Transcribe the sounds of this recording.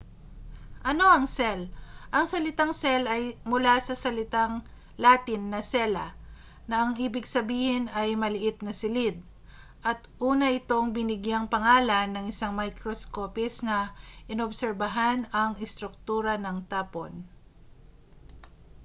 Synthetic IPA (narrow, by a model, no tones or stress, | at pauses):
ʔɐno̞ʔɐŋsɛlʔɐŋsɐlɪt̪aŋsɛlʔɐjmʊlasɐsɐlɪt̪aŋ | laːt̪ɪnːɐsɛlɐ̰ | nɐʔɐŋʔiːbɪɡsɐbiːhɪnɐjmɐlɪʔɪt̪̚nɐsɪlɪd̪̚ | ʔɐt̪ʔuːnɐʔɪt̪o̞ŋbɪnɪɡjaŋpɐŋaːlɐnːɐŋɪsaŋmajkɾoskoːpɪsnɐʔɪnobsɛɾbɐɦanɐŋɪst̪ɾʊk̚t̪uːɾɐnɐŋt̪aːpo̰n